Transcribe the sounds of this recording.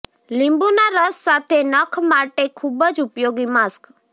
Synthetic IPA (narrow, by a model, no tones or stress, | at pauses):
lɪ̃mbunaɾəsːat̪ʰenəkʰmaʈekʰubəd͡ʒʊpjoɡimask